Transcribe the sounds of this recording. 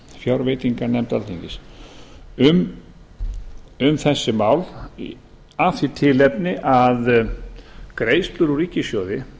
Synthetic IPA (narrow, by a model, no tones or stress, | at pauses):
fjawɾveːjt̪iŋkanɛmt̪alt̪ʰiɲcɪs | ʏm | ʏmθɛsːɪmaːwl | aθit̪ʰɪlɛpnɪʔað | kɾeːjst̪lʏɾuɾiːcːɪsjoːwðɪ